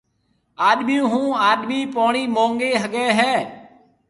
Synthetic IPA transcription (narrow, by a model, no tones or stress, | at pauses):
aːɗmijũːɦũːaːɗmiːpoːɳiːmõːŋɡeːɦəɠɛːɦɛː